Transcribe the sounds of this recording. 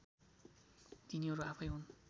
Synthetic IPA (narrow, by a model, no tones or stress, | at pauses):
t̪iniʌɾuapʰʌjɦun